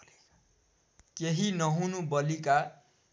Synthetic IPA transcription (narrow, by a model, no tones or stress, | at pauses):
keɦinʌɦũnubʌlika